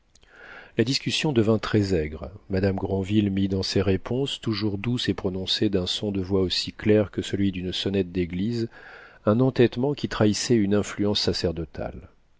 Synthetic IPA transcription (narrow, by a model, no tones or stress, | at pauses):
lad̪iskʲysjɔ̃d̪əvɛ̃t̪χɛzɛɡʁmad̪amɡʁɑ̃vilmid̪ɑ̃seʁepʰɔ̃st̪uʒuʁd̪usepχɔnɔ̃sed̪ɛ̃sɔ̃d̪əvwaosiklɛʁkəsəlɥid̪ynsɔnɛt̪̚d̪eɡlizɛ̃nɑ̃t̪ɛt̪mɑ̃kʲit̪χaisɛynɛ̃flyɑ̃sːasɛʁd̪ɔt̪ʰa̰l